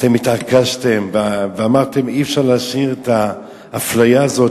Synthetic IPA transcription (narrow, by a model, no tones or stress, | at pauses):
t̪emit̪akaʃt̪e̞mvveamaʁt̪e̞miefʃaʁlaːʃiʁet̪aː | flajaːzo̞t